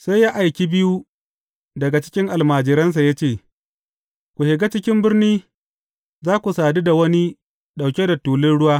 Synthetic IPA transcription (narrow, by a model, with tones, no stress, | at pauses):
sa˦jːaː˦ʔa˨jkʲi˦bɪ˦ju˦ | dɐ˨ɡa˨t͡ʃɪ̥˦kʲɪ˦ŋʔa˨lmaː˨d͡ʒɪ˨ɾɐ˦ns̬a˨ja˦t͡ʃeː˦˨ | kʷu˨hɪ˨ɡa˦t͡ʃɪ˦kʲɪ˦mbɪ˦rniː˦ | zaː˦kʷu˨saː˨di˦da˨wɐ˦ni˦ | ɗa˨wkʲe˦da˨tuː˨lɪ˦nɽʊ˦waː˦